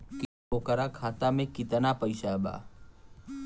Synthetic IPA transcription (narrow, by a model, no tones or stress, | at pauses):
kɪ | oːkəɾaːkʰaːt̪aːmẽkɪt̪ənapəɪʃaɛba̰ː